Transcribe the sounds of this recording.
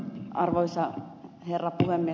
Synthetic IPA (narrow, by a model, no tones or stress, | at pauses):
ɑrʋoisɑ | herːɑpuhemːie